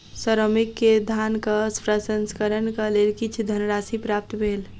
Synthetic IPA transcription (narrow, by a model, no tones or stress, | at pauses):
səɾomikːed̪ʱankaspɾəsənskəɾənkalelkit͡ʃʰd̪ʱənɾasipɾap̚t̪bʱeːl